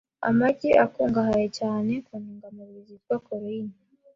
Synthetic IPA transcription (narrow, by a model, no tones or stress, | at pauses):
a̰maɟiʔakuːŋɡaɦajecaːne̞kuniːŋɡamuɾiziɾɡwakoɾiini